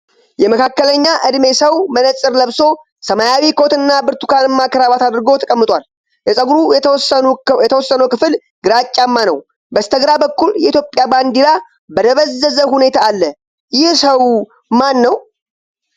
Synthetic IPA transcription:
jɛməkʰakːələɲːaʔɨd̪me̞səwmənəsʼɨɾləβso̞ | səmajawikʰot̪ɨnːabɨɾt̪u̥kanɨmːakɾaβat̪ad̪ɾɨɡo̞t̪ʰəkʼəmːɨt̪ʼwal | jɛsʼəɡuɾusjɛt̪ʰəwɔsːənəwkɨfɨl | ɡɨɾat͡ʃʼːamːanəw | bəst̪ʰəɡɾabəkːuljɛit̪jo̞pʼjaband̪ila | bəd̪əβəzːəzəhune̞t̪ʰaːlːə | jɪhsəw | manːəw

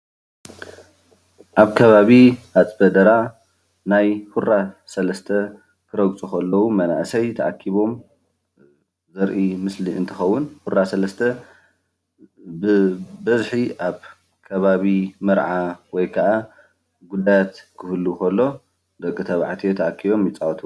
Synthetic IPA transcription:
ʔaβkʰɐβaβihat͡sʼbɐd̪ɐɾa | najhuɾasɐlɐst̪ʰɐ | kʰɨɾɐɡt͡sʼuxɐlːɐwumɐna̰ʔsɐjt̪ʰɐʕa̰kʰːiβo̞m | zɐɾʔimɨsliɨnt̪ʰɨxɐwːʊnhuɾasɐlɐst̪ʰɐ | bɨbɐzħiʔaβ | kʰɐβaβimɨɾʕawɔjkʰɐʔa | ɡud̪ajat̪kʰɨhɨlːukʰɐlːo̞ | d̪ɐkʼːɨt̪ʰɐβʕat̪ʰijet̪ʰɐʕakʰːiβo̞mjɪt͡sʼawɐt̪ʰɨu

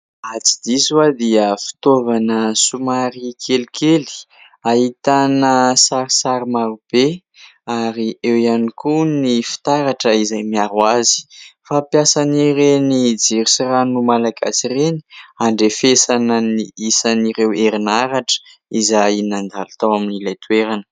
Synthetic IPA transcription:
at͡si̥d̪izuad̪iəfi̥t̪ovanəsumaɾikʰelikʰeli̥ | ahit̪anəsaɾisaɾimaɾub̥e | aɾiʔewianikunifi̥t̪aɾaʈ͡ʂəizajmiaɾwazi̥fapjasaniɾenid͡ziɾisiranumalaɡa̰sireni̥aɳɖ͡ʐefesanəniisaniɾeweɾinaɾaʈ͡ʂə̥ | izajinand̪alut̪awaminilajt̪uweɾanə̥

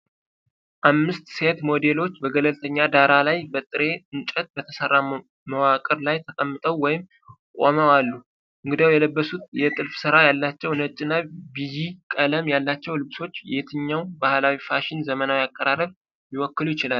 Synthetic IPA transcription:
ʔamːɨst̪se̞t̪mo̞d̪e̞lo̞t͡ʃːbəɡələlt̪ʰəɲːad̪aɾalajbət̪ʼɨɾe̞ɨnt͡ʃʼət̪̚bət̪ʰəsərːa | məwakʼəɾlajt̪ʰəkʼəmːɨt̪ʼəwːɔjɪm | kʼo̰məwalːu | ʔɨŋɡɨd̪awjɛləbːəsut̪jɛt̪ʼɨlfsɨɾajalːat͡ʃːɛwnət͡ʃʼːɪnabijikʼələmjalːat͡ʃːɛwlɨβso̞t͡ʃːjet̪ʰɨɲːawbahlawifaʃɪnzəmənawjakʼːəɾaɾəβ | jiwɔkːɨlujɪt͡ʃɪlal

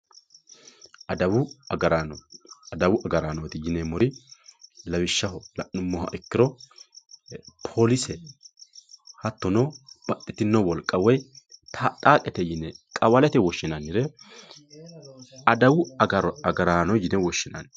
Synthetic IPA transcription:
ʔɐd̪ɐwʊɐɡɐɾaːnɔd̪ɐwʊʔɐɡɐɾaːnɔt̪ɪjɪnɛmɔɾɪ | lɐwɪʃːɐɦɔlɐʔːʊmːɔhɐ̰ʔɪkːɪɾɔ | pʰolɪsɛ | hɐt̪ːɔnɔb̥ɐt̪ʼːɪt̪ɪnːɔwɔlkʼːɐwɔjt̪ʰat̪ʼaːkʼɛt̪ɛjɪnɛkʼɐwɐlɛt̪ɛwɔʃːɪnɐnɪɾɛ | ɐd̪ɐwʊɐɡɐɾɐɡɐɾaːnɔjɪnɛwɔʃːɪnɐ̰n

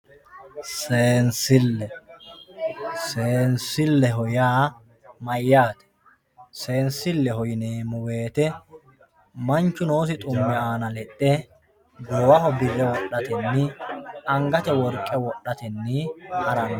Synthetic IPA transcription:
seːnsɪlːɛ | seːnsɪlːɛɦɔjaː | mɐjːaːt̪ɛ̥ | se̞ːnsɪlːɛɦɔjɪneːmʊwe̞ːt̪ɛ | mɐnt͡ʃːʊno̞ːs̬ɪt̪ʼʊmːɛaːnɐlɛtʼːɛ | d̪ɔwɐhɔbɪrːɛwɔɗːɐt̪ɛnːɪɐŋɡɐt̪ɛwɔɾkʼːɛwɔɗːɐt̪ɛnːɪhɐɾɐn

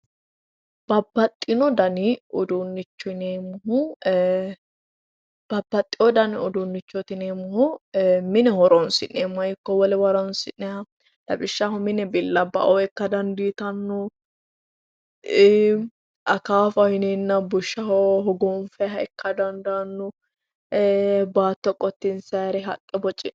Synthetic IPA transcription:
b̥ɐbːɐt̪ʼːɪnɔd̪ɐnɪɔd̪ʊnːɪt͡ʃːɔnemʊɦʊ | b̥ɐbːɐt̪ʼːɪɔd̪ɐnɪɔd̪ʊnːɪt͡ʃːɔt̪ɪneːmʊhʊmɪnɛhɔɾɔnsɪ̰nːemɐjɪkːɔwɔlɛwɐɾɔnsɪnːɛɐ | lɐ̰bɪʃːahɔmɪnɛbɪlːɐbɐ̰ʔɔɛkːɐd̪ɐnd̪iːt̪ɐnːʊ | ɐkaːfɐhɪnenːɐbʊʃːɐhɔɦɔɡɔnfɛɦɐɛkːɐd̪ɐnd̪anːʊ | baːt̪ːɔkʼɔt̪ːɪnsɐɾɛɦɐ̰kʼːɛbɔt͡ʃʼɪ

